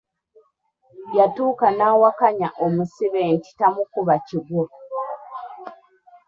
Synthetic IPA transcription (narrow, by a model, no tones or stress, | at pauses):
jatuːkanaːwakaɲaʔomusiβe̞ːnti̥tamukuβaciɡwo